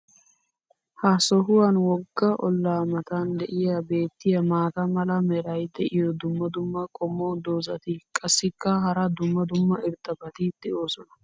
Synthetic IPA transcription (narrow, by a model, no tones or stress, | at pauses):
hɐsɔɦʊwɐnwɔɡːɐʔɔ̰lːaːmɐt̪and̪ɛʔɪjabe̞ːt̪ːɪjɐmaːt̪ɐmɐlɐmɛɾɐjd̪ɛʔɪjɔd̪ʊmːɐd̪ʊmːɐkʼɔmːod̪oːzɐt̪ɪkʼɐsːɪkːɐɦɐɾɐd̪ʊmːɐd̪ʊmːɐɪɾt̪ʼːɐbɐt̪ɪd̪̥ɛʔo̞ːsɔnɐ